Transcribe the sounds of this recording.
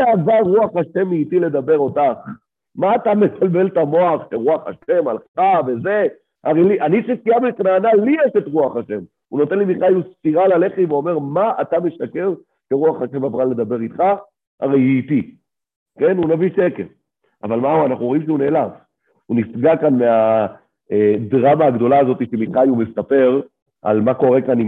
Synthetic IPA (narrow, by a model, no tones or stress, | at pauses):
eavaʁːuaχaʃe̞miːtile̞d̪abe̞ʁo̞taχ | maːtame̞kalbe̞ltamo̞aχʃeʁuaχa̰ʃe̞ma̰lχaveze̞ | aʁejliʔanisifiabelknaːnalijeʃet̪ʁuaχaʃe̞m | uno̞t̪e̞nlimiχajustiʁalale̞χiveo̞me̞ʁmaʔatame̞ʃake̞ʁ | keʁuaχaʃe̞mabʁale̞d̪abe̞ʁit̪χa | a̰ʁe̞jiːti | ke̞nunaviʃekeʁ | a̰valmauanaχnuoimʃeune̞ːlav | unisɡakanmea | edʁamaːɡd̪o̞laːzo̞t̪iʃemiχajumesape̞ʁ | ʔa̰lmako̞ʁe̞kanim